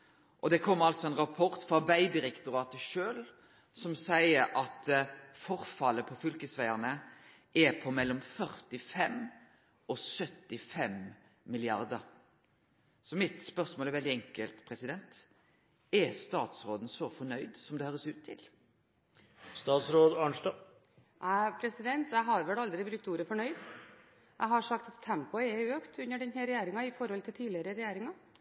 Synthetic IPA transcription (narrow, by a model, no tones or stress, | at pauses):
ʔɔd̪ɛkʰɔmːəɾɑlt̪sɔɛnɾɑpʰɔɾt̪fɑbæɪd̪ɪɾɛkt̪ʊɾɑːt̪əʃøːl | sɔmsæɪəɾʔɑt̪fɔɾfɑlːəpʰɔfʏlkəsʋæɪəʁnə | ʔɛpʰɔmɛlːɔmfœɾt̪ɪfɛm | ɔsœt̪ːɪfɛm | mɪlɪɑɾd̪əɾ | sɔmɪt̪spœʁsmoːlɛɾʋɛld̪ɪɛŋkəlt̪pʰɾɛsɪd̪ɛnt̪ | ɛst̪ɑːt̪sɾoːd̪n̩sɔfɔɳœʏd̪sɔmd̪ɛhøːʁɾəsʉːt̪ʰːɪ̰l | st̪ɑːt̪sɾoːd̪ɑɳdɑ | ʔæpʰɾɛsɪd̪ɛnt̪jæɪɦɑɾʋɛlɑld̪ɾɪbɾʉk̚t̪uːɾəfɔɳœʏd̪ | jʔæ̰ɪɦɑʂɑkt̪ɑt̪ʰːɛmpʊɛøːkt̪ʰʉnːəɖɛnɦɛɾɛjæːɾɪŋɑɪfɔɾhɔlt̪ʰɪlt̪ʰiːlɪəɾəɾɛjæːɾɪŋɑ